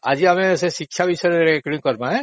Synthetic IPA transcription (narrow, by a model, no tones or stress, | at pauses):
aziamɛsɛsikʰːʃabisɔɾɛɾekɹiŋkɔɹmaɛ̃